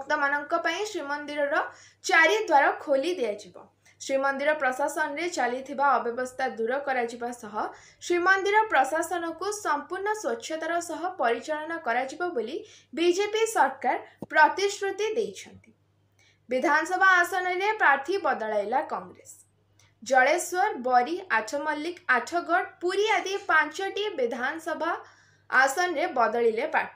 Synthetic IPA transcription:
bɔkt̪ɔmanɔŋkɔpaĩsɾimɔnd̪iɾɔɾɔ | t͡ʃaɾid̪waɾɔkʰolid̪iad͡ʒibɔ̰ | sɾimɔnd̪iɾɔpɾɔsasɔnɔɾet͡ʃalit̪ʰibaɔbjɔbɔst̪ʰad̪uɾɔkɔɾad͡ʒibasɔɦɔ | sɾimɔnd̪iɾɔpɾɔsasɔnɔkusɔmpuɾɳɔswɔtːʃʰjɔt̪aɾɔsɔɦɔpɔɾit͡ʃɔɭɔnɔkɔɾad͡ʒibɔboli | bid͡ʒepisɔɾkaɾpɾɔt̪isɾut̪id̪ejt͡ʃʰɔnt̪i | bid̪ʱanɔsɔbʱaːsɔnɔɾepɾaɾt̪ʰibɔd̪ɔɭajlakɔŋɡɾes | d͡ʒɔɭeswɔɾbɔɾiʔaʈʰɔmɔlːikaʈʰɔɡɔɽpuɾiad̪ipant͡ʃɔʈibid̪ʱanɔsɔbʱaː | sɔnɾebɔd̪ɔɭilepɾa̰t̪ʰ

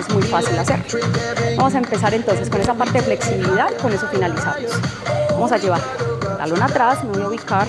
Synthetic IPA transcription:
ezmujfasilaseɾbamo̞saempe̞saɾe̞nt̪o̞ns̬e̞skone̞sapaɾt̪eefle̞ksiβiliðaðko̞ne̞so̞finalisa̰mosbamo̞sad͡ʒe̞β̞aɾla̰lonat̪ɾasnoðuβikaɾ

